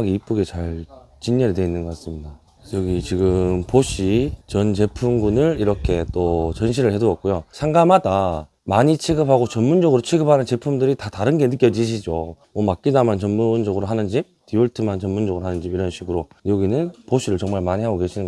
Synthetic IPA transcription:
ɡiip͈uɡet͡ɕaɭ | t͡ɕiɲːeɾidwe̞inːɯnɡʌk͈as͈ɯmɲida | jʌɡit͡ɕiɡɯmpoɕ͈ʰit͡ɕʌnt͡ɕe̞pʰumɡunɯɭiɾʌkʰe̞t͈ot͡ɕʌnɕ̬ʰiɾɯɭhe̞duʌt̚k͈ojosʰaŋɡamada | maɲit͡ɕʰiɡɯpʰaɡot͡ɕʌnmund͡ʑʌɡɯɾot͡ɕʰiɡɯp̚ʰanɯnt͡ɕe̞pʰumdɯɾitataɾɯnɡe̞nɯk͈jʌd͡ʑiɕʰid͡ʑomwʌmak͈̚inamjant͡ɕʌnmund͡ʑʌɡɯɾoɦanɯnd͡ʑip̚tiuɭtʰɯmant͡ɕʌnmund͡ʑʌɡɯɾoɦanɯnd͡ʑipiɾʌnɕʰiɡɯɾojʌɡinɯnpoɕʰiɾɯɭt͡ɕʌŋmaɭmaɲiɦaɡoke̞ɕʰinɯnŋɡ

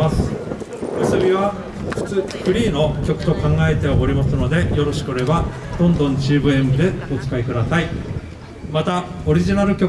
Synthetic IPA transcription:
asɨ̥ | mɯsɨbʲiβa | ɸɯ̟̥t͡sɨɸɯ̟ɾʲiːno̞kʲo̞kɯ̟̥t̪o̞kãŋɡae̞t̪e̞aʔoɾʲimasɨno̞d̪e̞jo̞ɾo̞ɕi̥kɯoɾe̞ba | d̪õ̞nd̪õ̞ɲ̟t͡ɕɨːbɯ̟e̞mɯ̟d̪e̞o̞t͡sɨ̥kaikɯ̟d̪asai | mat̪ao̞ɾʲiʑinaɾɯ̟kʲo̞

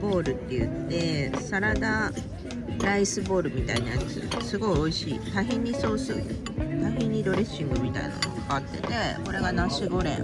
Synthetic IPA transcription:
bo̞ːɾɯ̟t̪ːe̞jɯ̰t̪ːe̞saɾad̪a | ɾaisɨbo̞ːɾɯ̟mʲit̪ainajat͡sɨ̰sɨɡo̞io̞iɕiːt̪aɦẽɲ̟ːiso̞ːsɨ | t̪aɦẽɲ̟ːid̪o̞ɾe̞ɕːĩŋɡɯ̟mʲit̪a̰ḭna̰nokakaat̪ːe̞t̪e̞ko̞ɾe̞ɡanãɕɨɡoːɾḛ̃

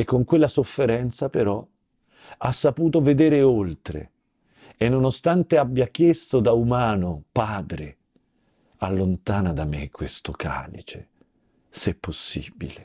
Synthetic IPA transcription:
ekːoŋkwelːasofːeɾɛnt̪sapeɾɔ | asːapuːt̪oved̪eːɾeolt̪ɾḛ | enːonost̪ant̪eabːjak̟jest̪od̪aumaːnopaːd̪ɾe | alːont̪aːnad̪amekʰːwest̪oka̰ːlit͡ʃḛ | sɛpːosːḭːbḭle

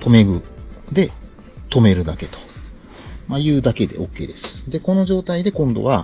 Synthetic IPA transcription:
t̪ʰo̞me̞ɡɯ̟d̪e̞ | t̪o̞me̞ɾɯ̟d̪ake̞t̪o̥ | majɯ̟ːd̪ake̞d̪e̞̰o̞̰kːe̞̰ːd̪e̞sɨ̥d̪e̞ko̞no̞ʑo̞ːt̪aid̪e̞kõ̞nd̪o̞̰βa

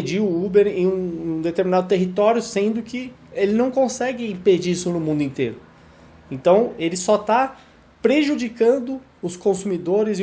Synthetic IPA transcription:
d͡ʒiʊubeɾẽũd̪et̪eɾminad̪ʊt̪eɦit̪ɔɾjʊsẽnd̪ʊkɪelɪnɐ̃w̃kõsɛɡɪĩped͡ʒiisʊnʊmũnd̪ĩnt̪eɾʊ | ẽnt̪ɐ̃w̃elɪsɔt̪a | pɾeʒud͡ʒikɐ̃nd̪ʊ | ʊskõsumid̪oɾɪzɪ

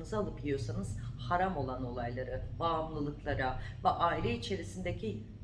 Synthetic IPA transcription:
nɯzalˠɯpʲijo̞sanɯz̥haɾamo̞lˠano̞lˠajlˠaɾɯbaːmlˠɯlˠɯklˠaɾavɛʔaːilʲɛit͡ʃʰe̞ɾisind̪ecʰi

